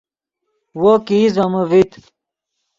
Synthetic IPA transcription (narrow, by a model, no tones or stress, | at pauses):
wokiːzɐməvit̪